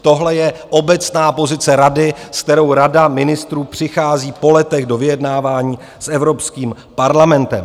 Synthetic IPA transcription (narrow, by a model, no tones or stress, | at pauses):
t̪o̞ɦlɛjɛʔo̞bɛt͡snaːpo̞zɪt͡sɛɾadɪsk̚t̪ɛɾo̞wɾadamɪnɪst̪ɾuːpr̝̥ɪxaːziːpo̞lɛt̪ɛɣdo̞vɪjɛdnaːvaːɲiː | sʔɛvɾo̞pskiːm | paɾlamɛnt̪ɛ̰m